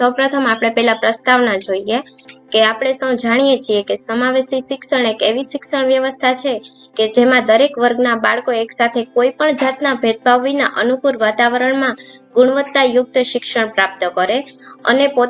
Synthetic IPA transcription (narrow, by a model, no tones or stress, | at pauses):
səwpɾət̪ʰəmapɽ̃epɛɦlapɾəst̪aʋnad͡ʒoie | keapɽ̃esə̃w̃d͡ʒaɽ̃ijet͡ʃʰiekesəmaʋesiʃɪksəɳ̃ekeʋiʃɪksəɳ̃ʋjəʋəst̪ʰat͡ʃʰe | ked͡ʒemãd̪əɾekʋəɾɡnabaɭkoeksat̪ʰekoipəɳd͡ʒat̪nabʱet̪̚bʱaʋːina̰ʔənukuɾʋat̪aʋəɾəɳmã | ɡʊɽ̃ʋət̪ːajʊk̚t̪ʃɪkʃəɳ̃pɾap̚t̪əkəɾeə̰nepo